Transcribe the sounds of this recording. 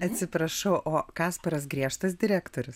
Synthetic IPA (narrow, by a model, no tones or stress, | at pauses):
ɐt̪ʲsʲɪpɾɐʃɐʊʔoːkɑːspɐɾɐsɡɾʲiɛʃt̪ɐsd̪ʲɪɾʲæːkt̪oːɾʲʊs